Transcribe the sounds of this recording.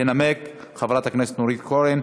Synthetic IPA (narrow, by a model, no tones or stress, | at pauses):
enamek | χavɾat̪akneset̪noɾit̪koɾen